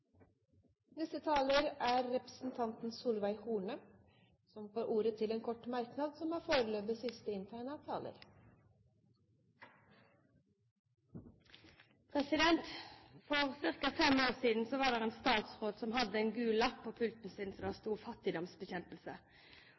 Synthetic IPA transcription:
nɛst̪ət̪ʰɑːləɾæːɾɾɛpɾəsn̩t̪ʰɑnt̪n̩suːlʋæɪhuːnə | sɔmfoːɾʔuːɾət̪ʰɪleːnkʰɔʈmɑɾknɑd̪sɔmæːfoːɾəløːbəsɪst̪əɪnt̪ʰæːnəɑːʋt̪ʰɑːlə̰ɾ | pʰʁɛsɪd̪ɛnt̪fɔʁsɪʁkɑfɛmoːʁsiːd̪n̩soːʋɑːd̪ɛːʁeːnst̪ɑːt̪sʁoːd̪sɔmhɑd̪əɛːnɡʉːlɑpʰoːpʰʉlt̪n̩siːd̪nsɔd̪ɑːst̪uːfɑt̪ɪd̪ɔmsbəçɛnplsə

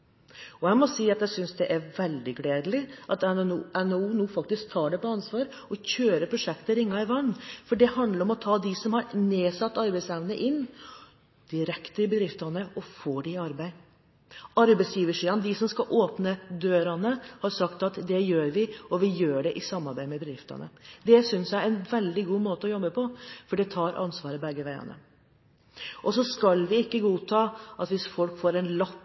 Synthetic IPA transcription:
ɔæɪmɔsiːɑt̪jæsʏnsd̪ɛʔæɾʋɛld̪ɪɡleːd̪lɪʔɑt̪ɛɛnuːnuːfɑk̚t̪ɪsk̚t̪ʰɑːɖɛpɔɑnsʋɑːɾ | ɔçøːɾəpʰɾʊʂɛkt̪əɾɪŋːɑɪʋɑnːfɔɖɛhɑnd̪ləɾɔmɔt̪ʰɑːd̪ɪsɔmhɑɾneːsɑt̪ːɑɾbæɪsæʋnəʔɪnː | d̪̥ɪɾɛkt̪əɾɪbəd̪ɾɪft̪ɑnəɔfoːɖɪɑɾbæɪ | ɑɾbæɪsjiːʋəʂiːɑnd̪ɪsɔmskɑʔoːpnəd̪øːɾɑnəhɑɾsɑkt̪ɑt̪d̪ɛjøːɾʋɪɔʋɪjøːɖɛʔɪsɑmːɑɾbæɪmɛbəd̪ɾɪft̪ɑ̰nə̰d̪ɛsʏnsjæɪɛnʋɛld̪ɪɡuːmoːt̪əɔjɔbːəpʰɔfɔɖɛt̪ʰɑːɾʔɑ̰nsʋɑːɾəbɛɡːəʋæɪɑ̰nə̰ | ʔɔsɔskɑlʋɪɪkːəɡuːt̪ʰɑːʔɑt̪ʋɪsfɔlkfoːɾɛnlɑt̪ː

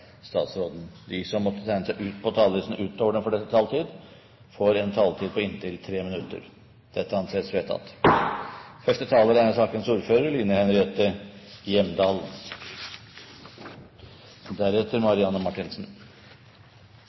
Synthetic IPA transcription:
st̪ɑ̰ːt̪sɾoːd̪n̩d̪ɪsɔmːɔt̪ːət̪ʰæɪnəsæɪʔʉːt̪pʰɔt̪ʰɑːlɾisn̩ʉːt̪oːʋəɖɛnfɔɖɛt̪ːət̪ʰɑːlt̪ʰiːd̪ | foːɾɛnt̪ʰɑlt̪ʰiːd̪̚pɔɪnːt̪ʰɪlt̪ʰɾeːmɪnʉt̪ːə̰ɾ | d̪̥ɛt̪ːəɑnseːsʋeːt̪ʰɑ̰t̪ | fœʂʈət̪ʰɑːləɾæsɑːkənsuːɾføːɾəɾliːnəhɛnɾɪeːt̪əjɛmd̪ɑːl | d̪æɾɛt̪ːəɾmɑɾɪɑnːəmɑʈɪnsn̩

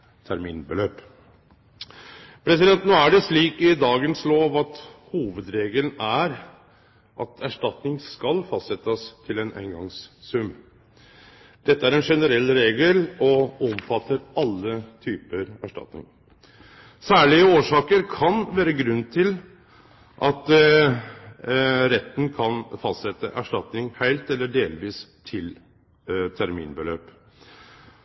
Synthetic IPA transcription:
t̪ʰæɾmḭːnbəløːp | pʰɾɛs̬ɪd̪ɛnt̪noːæɖɛʂɭiːkɪd̪ɑːɡənsloːʋɑt̪huːʋəd̪ɾeːɡəln̩æɾ | ʔɑt̪ʰæʂʈɑt̪nɪŋskɑlfɑst̪sɛt̪ːəst̪ʰɪlɛnʔæ̰ɪŋɡɑŋsːʉm | d̪̥ɛt̪ːəæɾɛnʂɛnəɾɛlːɾeːɡəlɔɔmfɑt̪ʰːəɾɑlːət̪ʰyːpəɾæʂʈɑ̰t̪nɪ̰ŋ | sæːɭɪəoːʂɑːkəɾkʰɑnʋæːɾəɡɾʉnːt̪ʰɪl | ʔɑt̪ | ɾɛt̪ːn̩kʰɑnfɑst̪sɛt̪ːə̰ʔæʂʈɑt̪nɪŋhæɪlt̪ɛlːəɖeːlʋiːst̪ʰɪl | t̪ʰæɾmḭːnbəløːp

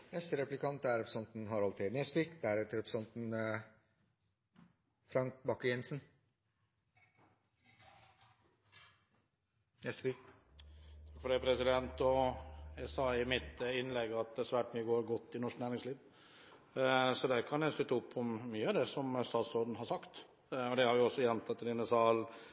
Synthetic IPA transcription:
nɛst̪əɾɛplɪkʰɑnt̪æɾɛpɾə̥sɑnt̪nɦɑɾɑlt̪ʰɪnɛsfɪkd̪æɾɛt̪ɾɛpɾə̥sɑnt̪n | fɾɑŋk̚bɑkːəjɛnsn | nɛsfik | t̪ʰɑkfɔɖæɪpʰɾɛsɪd̪ɛnt̪ɔæsɑːɪmɪt̪ɪnːlɛɡːɑt̪̚d̪ɛsʋæːʈmyːəɡoːɾɡɔt̪ːɪnɔʂknæːɾɪŋsliːʋ | sɔd̪ɛkʰɑnjæɪst̪ʏt̪ːəʊpʰːɔmːyːəɑd̪ɛsɔmst̪ɑːt̪sɔɖɳ̩hɑɾsɑkt̪ | ɔd̪ɛhɑɾjʊɔsːɔjɛnt̪ʰɑt̪ːɪlɪnəsɑːl

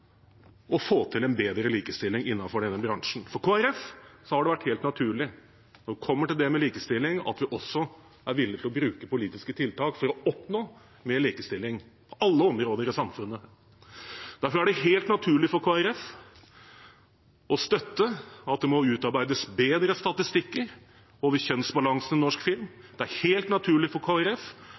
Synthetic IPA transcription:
ɔfoːt̪ʰɪlɛnbeːd̪ɾəliːkəst̪ɪlːɪŋɪnːɑnfɔɖɛnːəbɾɑŋʂɳ̩fɔɾkʰoːæɾɛfsɔhɑɖɛʋæʈːheːlt̪nɑt̪ʰʉːɭɪ | nɔɾʋɪkʰɔmːəʈɪld̪ɛmɛliːkəst̪ɪlːɪŋɑ̰t̪ʋɪʔɔsɔ | æɾʋɪlːɪt̪ɪlɔbɾʉːkəpʊliːt̪ɪskət̪ʰɪlt̪ʰɑːkfɔɾɔɔpnoː | meːɭiːkəst̪ɪlːɪŋpʰɔʔɑlːəɔmɾoːd̪əɾɪsɑmfʉnːə | d̪æɾfɔɾæɖɛɦeːlt̪nɑt̪ʰʉːɭɪfɔɾkʰoːæɾɛf | ɔst̪œt̪ːəɑt̪̚d̪ɛmɔʉːt̪ɑɾbæɪd̪əsbeːd̪ɾəst̪ɑt̪ɪst̪ɪkːəɾ | oːʋəɾçœnsbɑlɑŋsnɪnɔʂkfɪlm | d̪̥ɛæɾheːlt̪nɑt̪ʰʉːɭɪfɔɾkʰoːæɾɛf

